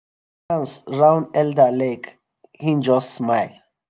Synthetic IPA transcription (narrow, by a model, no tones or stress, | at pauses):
ãnsɹãw̃ndɛldəlek | hĩnd͡ʒɔsːmajl